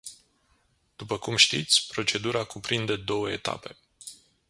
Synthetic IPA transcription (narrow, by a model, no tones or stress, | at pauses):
d̪̥upəkumʃt̪it̪sʲpɾo̞t͡ʃe̞d̪uɾakupɾind̪e̞d̪o̞wəet̪a̰pe̞